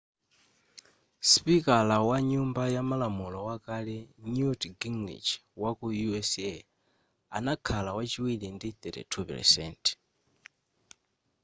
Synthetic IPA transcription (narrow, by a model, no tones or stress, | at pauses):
spikalawaɲumbajamalamulɔwakalɛnjutɡiŋɡlḭt͡ʃwakujuɛsɛ | a̰nakʰalawat͡ʃiwilindiθɛtḭtʰupɛ̰ɾsɛ̰ntʰ